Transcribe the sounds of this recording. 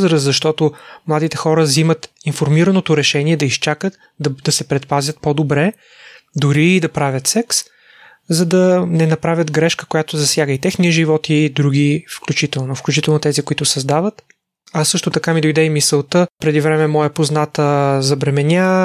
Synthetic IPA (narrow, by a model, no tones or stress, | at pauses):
zɾəszɐʃt̪ɔt̪omlˠad̪it̪ɛxɔɾəzimət̪infoɾmiɾənot̪oɾɛʃɛniɛd̪ɐist͡ʃakət̪ | d̪d̪ɐsɛpɾɛt̪pazʲət̪̚pod̪obɾɛ | d̪ʊɾiːd̪ɐpɾavʲjət̪sɛks | zɐd̪ɐnɛnɐpɾavʲət̪ɡɾɛʃkə̥kojat̪ozɐsʲjaɡəit̪ɛxnijəʒivɔt̪id̪ɾuɡʲifklʲut͡ʃit̪ɛlˠnofklʲut͡ʃit̪ɛlˠnot̪ɛzikʊit̪ʊsɐzd̪avət̪ | asɤʃt̪ot̪ɐkamid̪ojd̪ɛimisəlˠt̪əpɾɛd̪ivɾɛmɛmɔjəpoznat̪əzɐbɾɛmɛnʲa